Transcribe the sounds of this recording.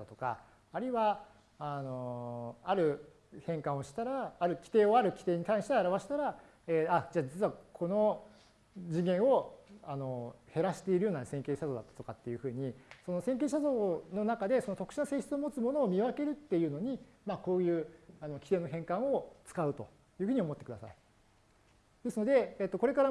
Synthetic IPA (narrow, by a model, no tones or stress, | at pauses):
at̪o̞ka̰ː | ɾɯiβaː | no̞aɾɯ̟ | hẽ̞ŋkãɰ̃o̞ɕi̥t̪aɾaːɾɯ̟kʲi̥t̪e̞ːo̞aɾɯ̟kʲi̥t̪e̞ːɲ̟it̪ãɰ̃ɕi̥t̪eaɾaβaɕi̥t̪aɾa | ead͡ʑaːd͡ʑit͡sɨβakʰo̞no̞ | d͡ʑĩŋɡẽ̞ɰ̃o̞ano̞he̞ɾaɕi̥t̪e̞iɾɯjo̞ːnasẽ̞ŋkeːɕazo̞ːd̪at̪ːḁt̪o̞kat̪ːe̞jɯ̟ɸɯ̟ːɲ̟iso̞nosẽ̞ŋk̬e̞ːɕ̬azo̞ːno̞nakad̪e̞sonot̪o̞kɯ̟̥ɕinase̞ːɕi̥t͡sɨomo̞t͡sɨmo̞no̞ːmʲiβake̞ɾɯ̟t̪ːe̞jɯ̟ːno̞ɲ̟i | mako̞ːjɯ̟ːano̞kʲi̥t̪e̞ːnoɦẽ̞ŋkão̞t͡sɨ̥kaɯ̟t̪o̞̰ | jɯ̟ːɸɯ̟ɲ̟io̞mo̞t̪ːe̞kɯ̟d̪asa̰i | d̪esɨno̞d̪e̞ːt̪ːo̞ko̞ɾe̞kaɾa